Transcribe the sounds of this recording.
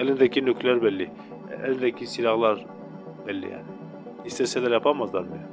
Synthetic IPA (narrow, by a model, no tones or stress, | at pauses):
ælind̪ɛkʲinøkʰlæɾbɛlːi | æ̰lind̪ɛkʲʰisilɑʁlˠɑɾ | b̥ɛlːḭja̰ːni | hist̪ɛsɛlæɾjɑpʰamɑzlˠɑɾmi